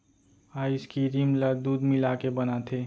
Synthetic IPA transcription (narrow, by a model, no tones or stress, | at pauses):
aiskiɾimləd̪ud̪milakebənat̪ʰe